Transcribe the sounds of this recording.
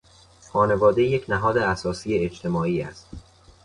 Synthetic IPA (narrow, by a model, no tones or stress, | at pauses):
xɒːne̞vɒːd̪e̞jecʰnæɦɒːd̪eæsɒːsiːeet͡ʃt̪ʰe̞mɒːiːæ̰st̪